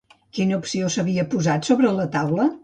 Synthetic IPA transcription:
kinəupsiosəβiəpuzat̪soβɾələt̪awlə

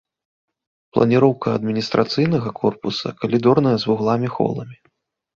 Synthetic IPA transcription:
plˠɐ̰nʲiɾɔwkɐɐd̪̚mʲinʲist̪ɾʔat̪sɨjnɐɣɐkʰɔrpusɐ̰kɐlʲid̪ɔrnɐjɐzvuɣlˠamʲixɔ̰lˠɐ̰mʲi

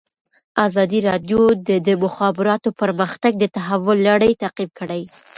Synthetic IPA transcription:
ɑzɑd̪iɾɑɖ̪jod̪əd̪əmʊxɑbɪɾɑt̪opəɾməxt̪aɡ̚d̪ət̪aɦawʊlːaɽəjt̪aqib̚kəɽaj

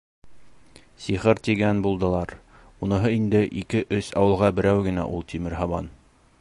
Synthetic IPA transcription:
siχɘɾt̪iɡænbulˠd̪ɤ̆lˠɑɾ | unɤ̆ɦɤind̪ɘʔikɘʔɵsɑwɤ̆lˠʁɑbɘ̆ɾæwɡɘ̆næ̰ʔulˠt̪ʰimɘ̆ɾɦɑβɑ̰n

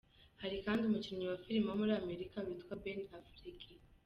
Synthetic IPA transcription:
haɾikaːndiumuciɲiwafiɾimamuɾaːmeɾikaβitkwabenafɾiki

